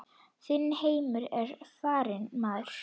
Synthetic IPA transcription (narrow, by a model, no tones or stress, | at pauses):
θɪnːheːjmʏɾɛɾ̥faːɾɪnmaðɾ̥